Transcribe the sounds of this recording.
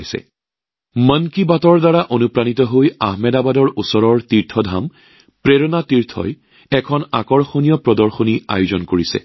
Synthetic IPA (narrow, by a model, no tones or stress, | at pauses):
jsɛ̰ | mənkibatɔɹdaɹaʔonupɹanitɔɦojaɦmɛdabadɔɹusɔɹɔɹtiɹtʰɔdʱam | pɹeɹɔnatiɹtʰɔ̰j | ɛkʰɔna̰kɔɹxonijɔpɹɔdɔɹxonia̰juzɔnkoɹisɛ̰